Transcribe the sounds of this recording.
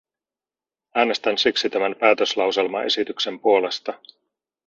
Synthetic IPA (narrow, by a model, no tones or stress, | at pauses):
æːne̞st̪ænsiksit̪æmæmpæːt̪øslɑwse̞lmɑ̰ʔe̞̰sit̪ykse̞mpuo̞le̞st̪ɑ